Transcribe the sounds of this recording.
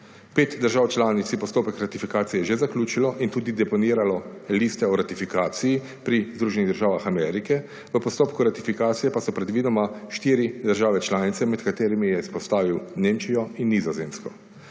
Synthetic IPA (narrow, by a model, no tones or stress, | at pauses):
peːt̪d̪əɾʒaːwt͡ʃlaːnit̪sjɛpɔst̪oːpəkɾat̪ifikaːt̪sijɛʒezaklʲuːt͡ʃilɔʔint̪uːd̪id̪ɛpɔniːɾalɔliːst̪ɛɔɾat̪ifikaːt̪siji | pɾizd̪ɾuːʒɛniɣd̪əɾʒaːwʋaxamɛːɾikɛ | ʋəpɔst̪oːpkuɾat̪ifikaːt̪sijɛpasɔpɾɛd̪ʋid̪ɔmaʃt̪iːɾid̪əɾʒaːʋɛt͡ʃlaːnit̪sɛmɛt̪kat̪eːɾimijɛispɔst̪aːʋiwneːmt͡ʃijɔinːizɔzeːmskɔ